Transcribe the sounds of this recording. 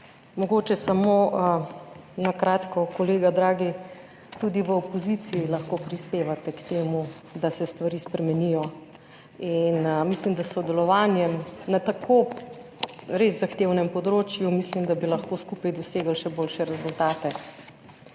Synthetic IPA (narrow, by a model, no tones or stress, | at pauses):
mɔɡot͡ʃɛsamo | nakɾaːt̪kɔkɔleːɡad̪ɾaːɡi | t̪ud̪iʋəɔpɔzit̪siːlɐxkoːpɾispeːʋat̪ɛkt̪eːmu | d̪asɛst̪ʋaɾiːspɾɛmɛnijɔ | inmislimd̪asːɔd̪ɛlɔʋaːnjɛmnat̪akʰo | ɾezzaxt̪ewnɛmpɔd̪ɾoːt͡ʃjumislimd̪abilɐxkoskupajd̪ɔseːɡəlʃɛboːlʃɛɾɛzult̪aːt̪ɛ